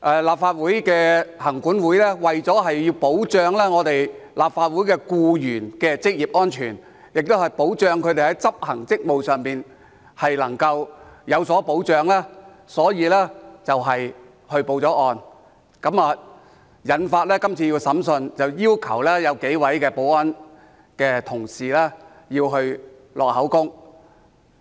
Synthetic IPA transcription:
ʔɛː˨˧laː˨˩p̚faː˧t̚wuː˨˥jkɛː˧hɐ˨˩ŋkuː˨˥nwu˨˥jlɛː˥wɐ˨jt͡sɔː˨˥ɦɐ˨jjiː˧wpo˨˥wt͡ʃœː˧ŋlɛː˥ŋɔː˨˧t̪e˨jlaː˨p̚faː˧t̚wuː˨˥jkɛː˧kuː˧jyː˨˩nkɛː˧t͡sɪ˥k̚jiː˨p̚ʔŋɔː˥nt͡ʃʰyː˨˩n | jɪ˨k̚t̪o˥whɐ˨jpo˨˥wt͡ʃœː˧ŋkʰɵ˨˧ɥt̪e˨˩hɐ˨˥jt͡sɐ˥p̚hɐ˨˩ŋt͡sɪ˥k̚mo˨˧wsœː˨˩ŋpiː˨n | hɐ˨jlɐ˨˩ŋkɐ˧wjɐ˨˧wsɔː˨˥po˨˥wt͡ʃœː˨˧ŋlɛː˥ | sɔː˨˥jiː˨˧lɛː˥t͡sɐ˨wɦɐ˨j | hɵ˧ɥpo˧wt͡sɔː˨˥ʔɔː˧n | kɐ˨˥maː˨ | jɐ˨˥nfaː˧t̚lɛː˥kɐ˥mt͡sʰiː˧ji˧wsɐ˨˥msɵ˧nt͡sɐ˨wjiː˥wkʰɐ˨˩wlɛː˥jɐ˨˧wke˨˥jwɐ˨˥jkɛː˧po˨˥wɐ˦˥n | kɛː˧t̪ʰʊ˨˩ŋsiː˨lɛː˥ | jiː˧wɦɵ˧ɥ | lɔː˨k̚hɐ˨˥wkʊ˥ŋ

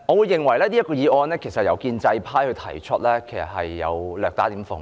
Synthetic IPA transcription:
ŋɔː˨˧wuː˨˧jːɪ˨ŋwɐ˨˩jlɛː˥niː˥ɐ˥tkɔː˧iː˨˧ʔɔː˧nlɛː˥kʰe˨˩jsɐ˨t̚jɐ̰˨˧wkiː˧nt͡sɐ˧jpʰaː˥jhɵ˧ɥt̪ʰɐ˨˩jt͡ʃʰə˥t̚lɛː˥kʰe˨˩jsɐ̰˨t̚hɐ˨jːɐ̰˨˧wlœː˨k̚t̪aː˨˥t̪iː˨˥mfʊ̰˨˩ŋ

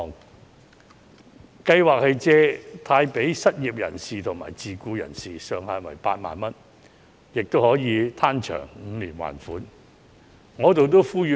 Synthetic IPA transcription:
kɐ˧jwaː˨k̚hɐ˨jt͡sɛː˧t̪ʰaː˧jpe˨˥jsɐ˥t̚jiː˨p̚jɐ̰˨˩nsiː˨t̪ʰʊ˨˩ŋma̰ː˨˩jt͡siː˨kuː˧jɐ̰˨˩nsiː˨sœː˨ŋhaː˨nwɐ̰˨˩jpaː˧t̚ma̰ː˨nmɐ˥n | jɪ˨k̚t̪o˥whɔː˨˥jiː˨˧t̪ʰaː˥nt͡ʃʰœ̰ː˨˩ŋŋ̩˨˧liː˨˩nwa̰ː˨˩nfuː˨˥n | ŋɔː˨˧˥t̪o˨wt̪o˥wfuː˥jyː˨˧

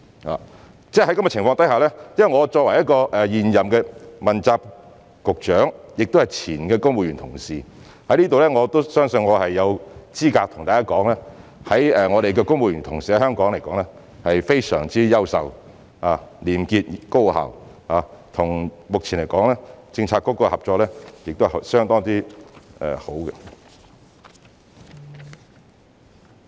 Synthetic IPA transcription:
ha̰ː˨ | t͡sɛː˥˩hɐ˥kɐ˧˥mɛ˧t͡ɕɪ˨˩ŋfɔː˧ŋt̪ɐ˨˥jhaː˨˩lɛː˥jɐ˥wɐ˨jŋɔː˨˧t͡sɔː˧k̚wɐ˨˩jɐ˥t̚kɔː˧ʔɛː˨jiː˨njɐ˨mkɛː˧mɐ˨˩nt͡saː˧p̚ | kʊ˨k̚t͡ʃœː˨˥ŋjɪ˨k̚t̪o˥hɐ˨jt͡sʰiː˨˩nkɛː˧kʊ˥ŋwuː˨˧jɥy˨˩nt̪ʰʊ˨˩ŋsiː˨ | hɐ˨˥jliː˥t̪o˨wlɛː˥ŋɔː˨˧t̪o˥wsœː˥ŋsɵ˧nŋɔː˨˧hɐ˨jːɐ˨˧wt͡siː˥kaː˧k̚t̪ʰʊ˨ŋt̪aː˨˩kaː˥kɔː˨˥ŋlɛː˥hɐ˨˥jɛː˨ŋɔː˨˧ɾe˨jkɛː˧kʊ˥ŋmwu˧jɥyː˨˩nt̪ʰʊ˨˩ŋsiː˨ɛ˧hœː˥ŋkɔː˨˥ŋle˨˩jkɔː˨˥ŋlɛː˥ | hɐ˨jfe˥jsœ̰ː˨˩ŋt͡siː˥jɐ˥wsɐ˨˩w | aː˨˧liː˨˩mkiː˧t̚ko˥wha̰ː˨˩w | aː˨˧t̪ʰʊ˨˩ŋmʊ˨k̚t͡sʰiː˨˩nle˨˩jkɔː˨˥ŋlɛː˥t͡sɪ˧ŋt͡sʰaː˧t̚kɔː˦˥kːɔː˧hɐ˨p̚t͡ʃɔː˧k̚lɛː˥jɪ˨k̚t̪o˥˨sœː˥ŋt̪ɔː˥ŋt̪iː˥ʔɛ̰ː˨ho˨˥wkɛ˧

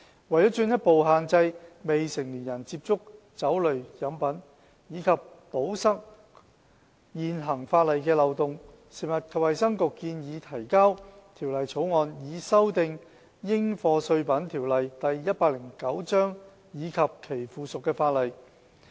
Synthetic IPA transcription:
wɐ˨˩jɔː˨˥t͡ʃyː˧njɐ˥t̚po˨wɦaː˨nt͡sɐ˧jme˨jsɪ˨˩ŋliː˨˩njɐ˨˩nt͡siː˧˥p̚t͡sʊ˥k̚ | t͡sɐ˨˥wlɵ˨ɥjɐ˨˥mpɐ˨˥n | jiː˨˧kʰɐ˨˩p̚po˨˥wsɐ˥k̚ | jiː˨nɦɐ˨˩ŋfaː˧t̚lɐ˨jkɛː˧lɐ˨wt̪ʊ˨˩ŋ | se˨˩mɐ˨˩t̚kʰɐ˨whɐ˨jsɐ˥ŋkʊ˨kːiː˧njiː˨˧t̪ʰɐ˨˩jkaː˥wt̪ʰiː˨˩wlɐ˨jt͡sʰo˨˥wŋɔː˨njiː˨˧sɐ˥wt̪ɪ˨˧ŋ | jɪ˥ŋfɔː˧sɵ˧ɥpɐ˨˥nt̪ʰiː˨˩wlɐ˨jt̪ɐ˨jːɐ˥t̚paː˧k̚lɪ˨˩ŋkɐ˨˥wt͡ʃœː˥ŋ | jiː˨˧kʰɐ˨p̚kʰe˨˩jfuː˨sʊ˨kːɛː˧faː˧t̚lɐ˨˩j

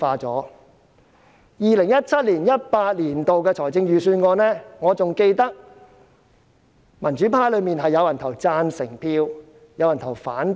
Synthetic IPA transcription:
faː˧t͡sɔː˨˥ | jiː˨˧lɪ˨˩ŋjɐ˥t̚t͡sʰɐ˥t̚liː˨˩njɐ˥t̚paː˧t̚liː˨˩nt̪o˨wkɛː˧t͡ʃʰɔː˨˩jt͡sɪ˧ŋjyː˨˧syː˧nŋɔː˨˧nɛː˥ŋɔː˨˧t͡sʊ˨ŋke˧jt̪ɐ˥k̚ | mɐ˨˩nt͡ʃyː˨˥pʰaː˧˥jlɵ˨˧˥miː˨nɦɐ˨jːɐ˨˧wjɐ˨˩nt̪ʰɐ˨˩wt͡saː˧nsɪ˨˩ŋpʰiː˧w | jɐ˨˧wjɐ˨˩nt̪ʰwfaː˨˥n

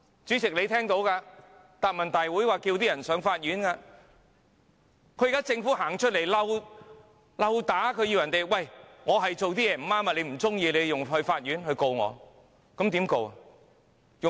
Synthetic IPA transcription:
t͡ʃyː˨˥t͡sɪ˨k̚le˨˧jt̪ʰɛː˥ŋt̪o˨˧˥wkaː˧ | t̪aː˨p̚mɐ˨˩nt̪aː˨jwuː˨˥jwaː˨kiː˧wt̪iː˥jɐ˨˩nsœː˨˥ŋfaː˧t̚jyː˨˥nkaː˧ | kʰɵ˧˥jkaː˥t͡sɪ˧ŋfuː˨˥ɦaː˨˩ŋt͡ʃʰɵ˥t̚le˨˩jlɐ˧w | lɐ˧wt̪aː˨˥kʰɵ˧ɥjiː˧wjɐ˨˩nt̪e˨˩jwɐ˨˩jŋɔː˨˧ɦɐ˨jt͡so˨wt̪iː˥jɛː˨˧m̩˨˩maː˥ma˨˧le˨˧jm̩˨˩t͡sʊ˥ŋjiː˧le˨˧jjʊ˨˩ŋɦɵ˧ɥfaː˧t̚jyː˨˥nɦɵ˧ɥko˧wŋɔ̰˨˧ | kɐ˨˥mt̪iː˨˥mko˧wɐ˨ | jʊ˨

